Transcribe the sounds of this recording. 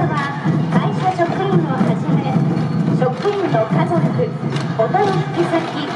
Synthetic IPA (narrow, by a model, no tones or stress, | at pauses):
βa | kaiɕaɕo̞kɯ̟ĩŋohaʑimeɕo̞kɯ̟ĩŋnokazokɯ̟ | ot̪ooç̥kʲisakʲi